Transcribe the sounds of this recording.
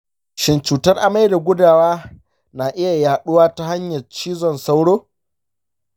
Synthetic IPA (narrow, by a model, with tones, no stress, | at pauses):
ʃɪ˨nt͡ʃuː˨tɐ˦rʔa˨ma˦jda˨ɡʷʊ˦daː˨waː˦ | naː˨ʔɪ˦ja˨jaː˨ɗʊ˦waː˦ta˦ha˦ɲjɐ˨t͡ʃiː˦zɔ˦nsa˦wɽoː˦